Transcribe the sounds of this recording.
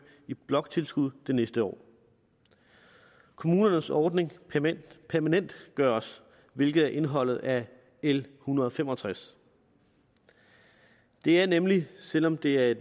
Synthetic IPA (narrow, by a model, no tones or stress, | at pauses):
ib̥lɒ̽ɡ̥̚t͡sʰe̝lsɡ̥uð̰ˠd̥e̝nesd̥əɒ̰ː | kʰo̝muːnɐnəsɒːd̥ne̝ŋʰ | pʰæɐmænen̰d̥ɡ̥ɶɐɒ̽s | ʋe̝lɡ̥ð̩ˠæɐʔe̝nɦɒ̽l̰ð̩ˠæ | elhunɐð̞̩ˠɒfemɒ̽t͡sʰʁas | d̥e̝æɐnemlisel̰ɒ̽md̥e̝æɐe̝d